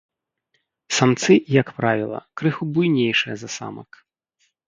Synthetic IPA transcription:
samt̪sɨjɐkpɾavʲilˠɐ̰kɾɨxubujnʲejʂɨjɐzɐsa̰mɐ̰k

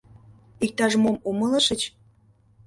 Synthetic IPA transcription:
ik̚t̪ɑʒmomuməlɤ̆ʃə̆t͡ɕ

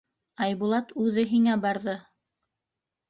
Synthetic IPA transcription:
ɑjβulˠɑt̪ʉðɘɦiŋæbɑɾðɤ

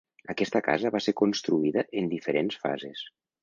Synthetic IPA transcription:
əkɛst̪əka̰zəβaseɾkunst̪ɾuiðəʔend̪ifəɾensfa̰zes

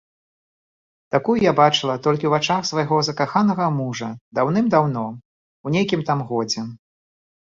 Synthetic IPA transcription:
t̪akujujabat͡ʂɨlˠɐt̪ɔlʲkʲiwvat͡ʂaxsvajɣɔzɐkaxanɐɣɐmuʐɐd̪awn̪ɨmd̪awnɔ | unʲejkʲimt̪amɣɔd͡zʲɛ

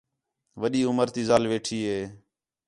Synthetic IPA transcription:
ʋəɗiːʊməɾt̪iːzaːlʋeːʈʰiːɦeː

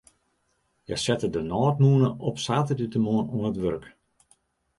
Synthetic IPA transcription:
jə̰sɛtədənɔːtmuənəɔpsaːtədytəmuənuənətʋørk

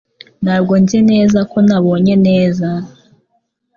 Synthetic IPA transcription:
naːbɡo̞nzene̞ːzako̞naβo̞ːɲe̞ne̞ːza

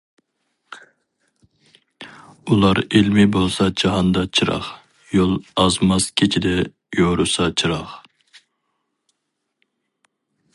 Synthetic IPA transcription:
ulˠɑɾelmɪbolˠsɑd͡ʒɑɦɑnd̪ɑt͡ʃʰɨɾɑ̰χ | jolˠɑzmɑskʲʰet͡ʃʰid̪ɛ | joɾusɑt͡ʃʰɨɾɑχ

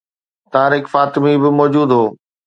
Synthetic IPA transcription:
t̪aãːɾɪkfaːt̪ɪmibɪmɔːd͡ʑuːd̪ɦoː

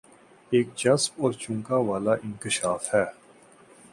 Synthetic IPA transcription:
eːk̚d͡ʒɐsbɔːɾt͡ʃʊ̃ŋkaʋaːlaʔɪ̃nkɪʃaːfhɛː

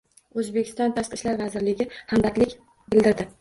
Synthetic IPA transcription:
ɵzbekʰʲɪ̥st̪ɒnt̪ʰaʃqɨʃlaɾvazɪɾlɪɡʲɪhambat̪lɪkʲ | bɪld̪ɪɾd̪ɪ

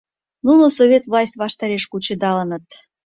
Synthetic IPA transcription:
nunosoβʲet̪vlˠɑsʲt̪ʲβɑʃt̪ɑɾeʃkut͡ɕəd̪ɑlənət̪

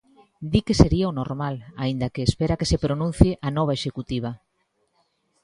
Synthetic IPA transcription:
d̪ikeseɾiaonoɾmalaind̪akeːspeɾakesepɾonũn̟θjeʔanɔβ̞aeʃekut̪iβ̞a

